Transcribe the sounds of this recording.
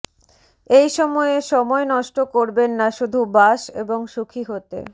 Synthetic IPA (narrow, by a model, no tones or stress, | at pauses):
ejʃɔmɔeʃɔmɔenɔʃʈokoɾbenːaʃud̪ʱubaʃḛboŋʃukʰiɦot̪ḛ